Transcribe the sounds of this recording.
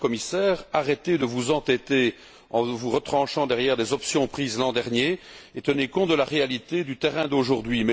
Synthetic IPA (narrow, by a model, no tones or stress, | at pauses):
kɔmisɛːʁaʁet̪ed̪əvuzɑ̃t̪ɛt̪e | ɑ̃vuʁət̪χɑ̃ʃɑ̃d̪ɛʁjɛːʁd̪ezɔpsjɔ̃pχiːzlɑ̃d̪ɛʁnje | et̪ənekɔ̃t̪̚d̪əlaʁealit̪ed̪yt̪ɛʁɛ̃d̪oʒuʁd̪ɥimɛ